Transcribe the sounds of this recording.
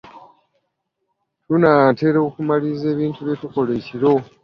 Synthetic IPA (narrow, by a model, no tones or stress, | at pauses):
tunaːte̞ːɾokumalize̞ːβiːntuβjetuko̞le̞ciɾo̞